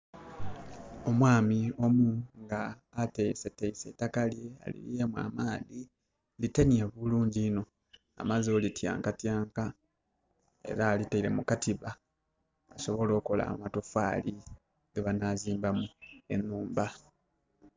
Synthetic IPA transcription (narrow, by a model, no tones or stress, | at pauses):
o̞mwaːmio̞muŋɡaː | teiseteise̞takalje̞a̰lḭlje̞mwa̰maːði | litenieβuluːɲɟiːno̞ | a̰mazo̞litʰja̰ːŋkatjaːŋka | e̞̰ɾaːliteiɾe̞̰mukatiβaː | so̞βo̞lo̞ːko̞la̰βatofaːli | ɡeβanaziːmbamue̞̰nːuːmba